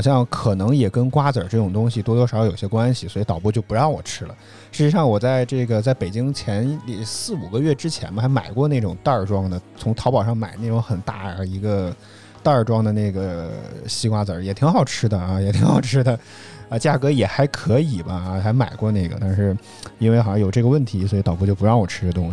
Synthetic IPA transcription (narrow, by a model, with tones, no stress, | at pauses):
ɑ˧˩ɕjɑ˥˧ŋkʰɤ˨˩nɤ˧˥ŋjɛ˨˩kə˥nkwa˥t͡sə˞˨˩ʈ͡ʂɤ˥˩ʈ͡ʂʊ˨˩ŋt̪ʊ˥ŋɕi˨t̪wɔ˥t̪wɔ˥ʂjo˨˩ɕjɛ˥kwa˥nɕi˨swɔ˧˥i˧˥t̪ɑ˨˩ʊpwu˥˧t͡ɕjo˥˩ʊpu˧˥ɻɑ˥˩ŋwɔ̰˨˩ʈ͡ʂʰɻ̩˥lə̰˨ | ʂɻ̩˥ʂɻ̩˧˥ʂɑ˥˩ŋwɔ˨˩t͡sa˥˧ɪʈ͡ʂɤ˥˩ɡə˩t͡sa˥˩ɪpe˨˩ɪt͡ɕi˥ŋt͡ɕʰjɛ˧˥n˥li˥˩sɹ̩˥˩u˨˩ɡə˦ɥɛ˥˩ʈ͡ʂɻ̩˥t͡ɕʰjɛ˧˥nmə˧xa˧˥ɪma̰˨˩ɪkwɔ˥˧ne˥˩ʈ͡ʂʊ˨˩ŋt̪ɑ˥˩ʈ͡ʂwɑ˥ŋd̪ə˨t͡sʰʊ˧˥ŋt̪ʰɑ˧˥ʊpɑ˨˩ʊʂɑ˥˩ŋma˨˩ɪne˥˩ʈ͡ʂʊ˧˥ŋxə˨˩nt̪a̰˥˩ə˧˥i˧˥ɡə˧ | t̪ɑ˥˩ʈ͡ʂwɑ˥ŋd̪ə˨ne˥˩ɪɡə˩ɕi˥kwa˥t͡sə˧˥jɛ˨˩t̪ʰi˧˥ŋxɑ˨˩ʊʈ͡ʂʰɻ̩˥d̪ə˨ɐ˧jɛ˨˩t̪ʰi˧˥ŋxɑ˨˩ʊʈ͡ʂʰɻ̩˥d̪ə˨ | ə˧t͡ɕja˥˩kɤ˧˥jɛ˨˩xa˧˥ɪkʰɤ˧˥i˨˩bɐ˦˧xa˧˥ɪma˨˩ɪkwɔ˥˧ne˥˩ɪɡə̰˩t̪a˥˧nʂɻ̩˥˧˩ | i˥nwe˥˩ɪxɑ˨˩jɑ˥jo˨˩ʊʈ͡ʂɤ˥˩ɡə˩wə˥˩nt̪ʰi˧˥s̬wɔ˧˥i˧t̪ɑ˨˩p̬ɔ˥˧t͡ɕjo˥˩ʊpu˧˥ɻɑ˥˩ŋwɔ˨˩ʈ͡ʂʰɻ̩ʰ˥˩t̪̬ʊ˥ŋ˩